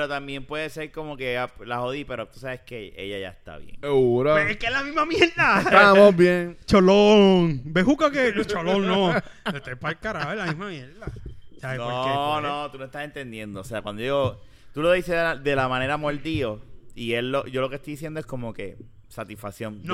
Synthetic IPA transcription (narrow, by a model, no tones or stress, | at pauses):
peɾo̞t̪ambje̞mpweðese̞ɾko̞mo̞ke̞alaho̞ðipe̞ɾo̞t̪u̥saβe̞ske̞ḛʝaʝa̰est̪a̰βjḛŋuɾakekeelamiɦmamjeɾd̪at̪amobjeŋt͡ʃoloŋbeɦukaket͡ʃoloŋnoet̪epalkaɾaelamiɦmamjeɾðasaenonõt̪unoest̪ase̞nt̪e̞nd̪je̞nd̪oːse̞akwand̪ojo | t̪ulo̞ðiseðead̪e̞lamãne̞ɾamoɾd̪io̞ielloʝo̞lo̞keht̪ojðis̬jend̪oesko̞mo̞ke̞ | sat̪isfaksjo̞ŋn